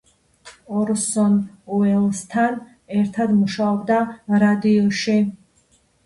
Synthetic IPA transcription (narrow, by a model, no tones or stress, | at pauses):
ɔɾsɔn | uɛlˠst̪ʰan | ɛɾt̪ʰad̪muʃaɔbd̪aɾad̪iɔʃi